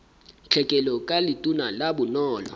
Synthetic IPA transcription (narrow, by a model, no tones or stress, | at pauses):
t͡ɬʰɛkʼɛlɔkʼalitʼunalaɓunɔːlɔ̰